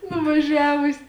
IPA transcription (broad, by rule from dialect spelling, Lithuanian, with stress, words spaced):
nʊʋɐˈʒʲæːʋʊsʲɪ